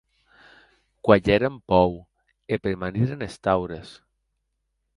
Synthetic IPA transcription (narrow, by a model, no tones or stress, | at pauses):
kwaʎeɾempɔw | epeɾmaniɾenest̪awɾes